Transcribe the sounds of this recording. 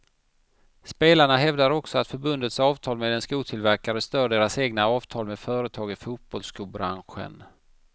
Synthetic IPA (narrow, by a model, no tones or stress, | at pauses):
speːlaɳaɦɛvd̪aɾɔksɔat̪fœɾbɵnd̪ət̪sɑːvt̪ʰɑːlmeːd̪ɛnskuːt̪ʰɪlvæɾkaɾəst̪œːɖeːɾaseːɡnaɑːvt̪ʰɑːlmeːd̪fœːɾət̪ʰɑːɡɪfuːt̪̚b̥ɔlskɵːlbɾa̰nɧə̰n